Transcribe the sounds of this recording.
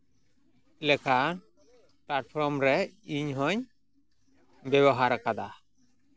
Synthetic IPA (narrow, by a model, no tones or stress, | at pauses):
lɛkʰa | plaʈ̚pʰɔɾmɾɛiɲɦɔɲ | bɛβɔɦaɾkad̪a